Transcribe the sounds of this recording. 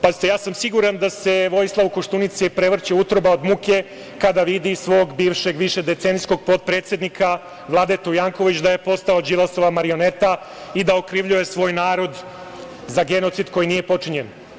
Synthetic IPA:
pazit̪ejaːsamsiɡuɾand̪ase̞ʋo̞jislˠaʋukoʃt̪unit̪sipɾeʋr̩t͡ɕeut̪ɾobaod̪muke̞ | kad̪aʋid̪isʋo̞ɡbiːʋʃe̞ɡʋiʃe̞d̪e̞t̪seːnisko̞ɡ̚po̞t̪̚pɾe̞ːt̪sje̞d̪nikʰa | ʋlˠaːd̪et̪ojaːŋko̞ʋit͡ɕd̪aje̞po̞st̪aod͡ʒilˠaso̞ʋamaɾio̞net̪a | id̪aokɾiːʋʎuje̞sʋo̞ːjnaːɾo̞d̪ | zaɡe̞not̪sid̪ko̞jiniːje̞po̞t͡ʂiɲen

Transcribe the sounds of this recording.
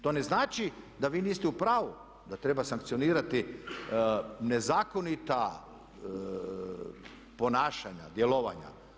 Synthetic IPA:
t̪o̞ːne̞znaːt͡ʃid̪aʋiːniːst̪ɛupɾaːʋu | d̪at̪ɾe̞basaŋkt̪sijo̞niːɾat̪i | nezaːkonit̪a | po̞naːʃaɲa̰d̪jeloʋa̰ɲa̰

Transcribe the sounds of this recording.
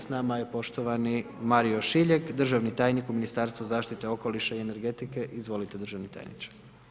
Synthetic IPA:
snamaje̞po̞ʃt̪o̞ʋani | maɾio̞ʃiʎekd̪r̩ʒaʋnit̪aːjnikuminist̪aɾst̪ʋuzaːʃt̪it̪e̞o̞koliʃaiene̞ɾɡe̞t̪ike̞ʔizʋo̞lit̪e̞d̪ɾ̩rʒaʋnit̪a̰jnḭt͡ʃḁ

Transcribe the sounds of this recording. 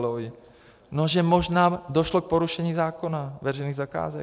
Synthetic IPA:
loj | noʒɛmo̞ʒnaːdo̞ʃlok̚po̞ɾuʃɛɲiːzaːko̞navɛrɛjniːɣzaka̰ːzɛ

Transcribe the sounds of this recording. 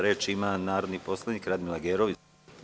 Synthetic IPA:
ɾe̞ːt͡ʃimanaːɾod̪nipo̞slˠaniːkɾad̪milˠaɡeːɾoʋi

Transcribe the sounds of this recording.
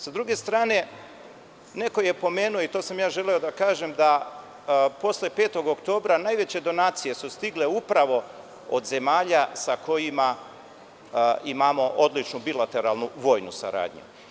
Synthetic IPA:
sad̪ɾuɡe̞st̪ɾaːne̞ | ne̞ko̞je̞po̞me̞ːnuoit̪o̞ːsamjaːʒe̞leod̪akaːʒe̞md̪a | po̞sle̞peːt̪o̞ɡokt̪o̞ːbɾanajʋe̞t͡ɕe̞d̪o̞naːt̪sije̞sust̪iɡle̞upɾaʋo̞ | o̰d̪ze̞maːʎasakʰo̞jima | imamo̞ʔod̪lit͡ʃnubilat̪e̞ɾalˠnuʋo̞ːjnusa̰ɾa̰ːd̪ɲṵ

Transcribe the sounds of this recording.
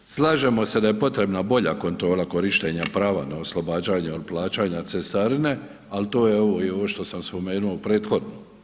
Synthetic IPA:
slˠaːʒe̞mo̞se̞d̪aje̞po̞t̪ɾe̞bnabo̞ʎa̰ko̞nt̪ɾo̞ːlˠako̞ɾiʃt̪e̞ɲapɾaːʋa̰naoslˠobaːd͡ʑaːɲeod̪̚plˠaːt͡ɕaːɲat̪sesaɾine̞ | alt̪o̞ːjeo̞ʋo̞io̞ʋoʃt̪o̞samspo̞me̞ːnuopɾe̞ːt̪xo̞d̪no

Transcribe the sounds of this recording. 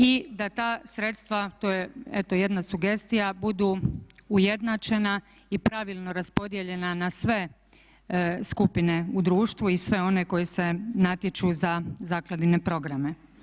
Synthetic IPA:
id̪at̪aːsɾe̞t̪st̪ʋat̪ojeet̪oje̞d̪nasuɡe̞st̪ijabud̪uːuje̞d̪nat͡ʃe̞na | ipɾaʋilˠno̞ɾaspo̞d̪je̞ʎe̞nanasʋe̞ | skupine̞ud̪ɾuːʃt̪ʋuisʋe̞o̞ne̞ko̞jese̞nat̪jet͡ʃuzazaːklˠad̪ine̞pɾo̞ɡɾame̞

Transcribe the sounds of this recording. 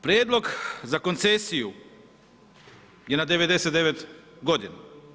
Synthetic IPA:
pɾjeːd̪lˠo̞ɡzako̞nt̪sesiju | jenad̪e̞ʋe̞d̪e̞set̪eʋet̪ɡod̪ina

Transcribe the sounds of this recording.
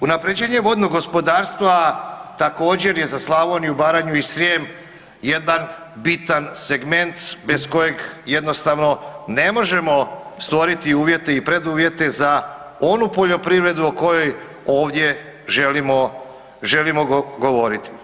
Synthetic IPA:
unapɾed͡ʑeːɲeʋo̞d̪noɡo̞spo̞d̪aːɾst̪ʋat̪ako̞ːd͡ʑe̞ɾje̞zaslˠaʋoniubaːɾaɲuisɾjem | je̞d̪an | bit̪anse̞ɡme̞nt̪be̞sko̞je̞ɡje̞d̪no̞st̪aʋno̞ne̞mo̞ʒe̞mo̞st̪ʋo̞ɾit̪iuːʋje̞t̪e̞ipɾe̞d̪uːʋje̞t̪e̞zao̞nupo̞ʎo̞pɾiʋɾe̞d̪uoko̞jo̞j | o̞ːʋd̪je̞ | ʒelimo | ʒe̞limo̞ɡo̞ʋo̞ɾit̪i̥

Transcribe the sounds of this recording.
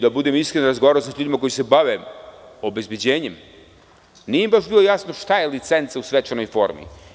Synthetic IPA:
d̪abud̪emiskɾenoɾazɡoaɾaosaʎuːd̪imako̞jise̞baʋeo̞be̞zbʲjed͡ʑeːɲem | nijeimbaʃbilˠo̞jasno̞ʃt̪aje̞lit̪se̞nt̪sausʋet͡ʃano̞jfo̞̰ɾmḭ

